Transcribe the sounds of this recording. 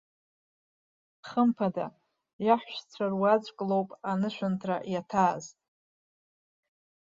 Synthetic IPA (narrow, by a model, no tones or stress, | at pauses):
χəmpʰada | jaħʷʃt͡sʷʰarwat͡ɕʷʼkʼlowpʼanɨʃʷᶣʊntʰrajatʰaːz